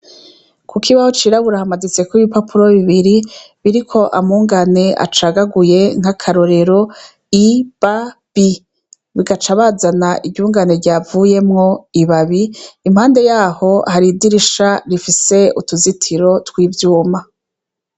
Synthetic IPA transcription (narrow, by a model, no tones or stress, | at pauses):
kukʰiβaho̞t͡ʃiːɾaβuɾahamazit͡se̞kwuiβipapʰuɾo̞βiβiɾi | βiɾikʰo̞ʔamuːŋɡane̞a̰t͡ʃaɡaɡuje̞ŋ̥hakʰaɾo̞ɾe̞ɾo̞ | ib̥ab̥i | βiɡat͡ʃaβazanaʔiɟɟuːŋɡaneɾɟaːvuje̞mŋo̞iβaβiim̥haːnde̞jaːho̞haɾidiɾiʃaɾifise̞utuzitʰiɾo̞twiːvjuːma